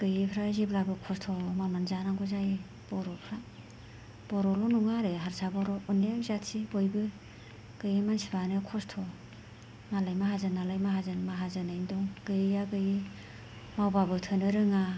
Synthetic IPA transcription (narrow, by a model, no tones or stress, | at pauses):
ɡ̥ɯjipʰɾaziblabɯkʰɔstʰɔmamanzanaŋɡɔzaj | b̥ɔɾɔpʰɾa | b̥ɔɾɔlɔnuŋaɾɯɦaɾsabɔɾɔɔnːamzatsibojbɯ | ɡ̥ɯjimansibanɯkʰɔstʰɔ | malajmaɦazɯnːalajmaɦazɯnmaɦazɯnɯjndɔŋɡ̥ɯjaɡɯji | mawbabɯtʰɯnɯɾɯŋa